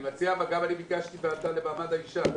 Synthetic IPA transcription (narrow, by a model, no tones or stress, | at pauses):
mat͡seavaɡabalibikaʃt̪iveat̪alebaːmad̪aiʃa